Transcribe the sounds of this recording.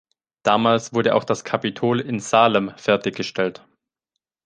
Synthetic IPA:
d̥aːmaːlsv̥ʊɐɾəʔa̰ʊxd̥askʰapitʰoːlɪnz̥aːləmfɛɐtɪçɡ̥əʃtʰɛlt

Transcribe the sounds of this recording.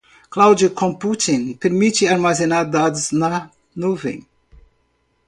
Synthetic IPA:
klawd͡ʒɐkʰõmput̪ĩnpeɾmit͡ʃɪaɾmazenaɾd̪ad̪ʊznɐ | nuvḛ̃j̃

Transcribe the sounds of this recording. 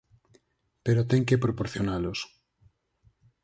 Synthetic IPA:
peɾot̪eŋkepɾopoɾθjonalos

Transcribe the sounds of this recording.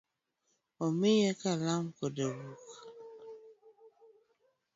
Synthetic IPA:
ɔmejɛkalamkɔdebuk

